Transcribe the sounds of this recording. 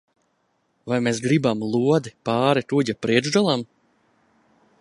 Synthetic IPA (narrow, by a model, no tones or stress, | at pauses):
vajmesɡɾibamlˠuɔd̪ipɑːɾiɾuɟapɾiɛʒd̪ɔlˠam